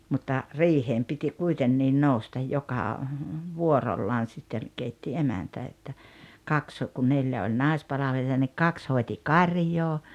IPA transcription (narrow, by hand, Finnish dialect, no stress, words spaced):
mutːɑ riːheːm piti kuitenːiːn noustɑj jokɑ ʋuorolːɑːn̞ sitːen keitːi emæntæ etːæ kɑks kun neljæ olʲ nɑˑi̞spɑlɑʋeliɑ nik kɑks hoeti kɑrʲjoː